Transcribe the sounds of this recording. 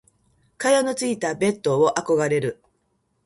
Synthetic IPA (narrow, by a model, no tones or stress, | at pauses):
kajonot͡sɨit̪abe̞t̪ːoβoʔako̞ɡaɾe̞ɾɯ̟